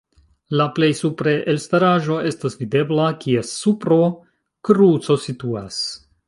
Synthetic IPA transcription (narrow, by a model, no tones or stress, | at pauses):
laple̞jsupɾeʔelstaɾaʒo̞e̞stasvide̞blakiesupɾo | kɾut͡so̞situa̰s